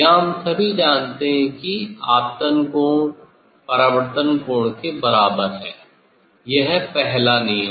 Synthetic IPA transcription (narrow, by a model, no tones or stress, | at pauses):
ɦɐmsɐbʱid͡ʒãːnt̪eɦɛ̃kiaːpt̪ənko | pɐɾaʋəɾt̪ənkoːɽkebɐɾaːbəɾɦɛ̰̃ː | jɐɦpɛɦlanijə